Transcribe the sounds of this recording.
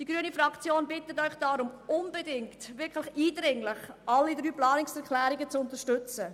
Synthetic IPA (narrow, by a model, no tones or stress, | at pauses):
d̥iɡɾyənifɾɑkt͡sjoːnbɪtətœʏχd̥aɾʊmʊnbedɪŋktʋɪɾklɪxiːdɾɪŋlɪχʔɑlːidɾyːplɑːnɪksɛɾkʰlæːɾiɡət͡sʊntəʃtʏt͡sə